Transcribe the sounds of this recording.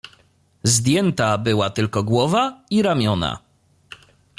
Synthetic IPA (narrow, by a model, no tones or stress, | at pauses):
zd̪ʲjɛnt̪abɘwat̪ɘlkɔɡwɔvaiɾamʲjɔna̰